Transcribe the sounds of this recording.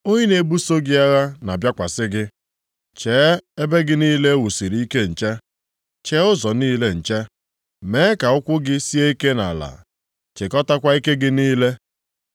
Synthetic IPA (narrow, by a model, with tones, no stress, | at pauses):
o˦ɲe˦ne˨bu˦so˦ɡi˦a˦ɣa˦na˨bja˦kʷa˨sɪ˦ɡɪ˦ | t͡ʃeː˨˦e˦be˦ɡɪ˦niː˦le˦wu˨si˨ɾi˨˦i˦ke˦n̩˨t͡ʃe˦ | t͡ʃe˦ʊ˦zɔ˨niː˦le˦n̩˨t͡ʃe˦ | me˨˦ka˨ʊ˦kʷʊ˦ɡɪ˦si˦e˦i˦ke˦na̰˨la̰˨ | t͡ʃe˨kɔ˦ta˦kʷa˦i˦ke˦ɡɪ˦niː˦le˦